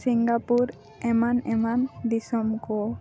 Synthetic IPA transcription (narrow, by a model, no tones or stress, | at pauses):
siŋɡapuɾ | ɛmanɛmand̪isɔmkɔ